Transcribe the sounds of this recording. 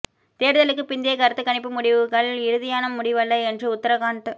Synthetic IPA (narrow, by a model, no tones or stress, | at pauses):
t̪eːɾɯðɐlɯkːɯpɪnd̪ɪjɐkɐɾɐt̪ːɯkːɐɳɪpːɯmʊɽɪʋɯɣɐɭlɪɾɯðɪjaːnɐmʊɽɪʋɐɭːɐɪɛndrɯʊt̪ːɐɾɐkaːɳʈɯ